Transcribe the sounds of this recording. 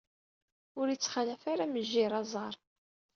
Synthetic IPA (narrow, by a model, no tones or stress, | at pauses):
ʊɾjət͡sːχalæfaɾaməʒːiɾˤɑzˤɑɾˤ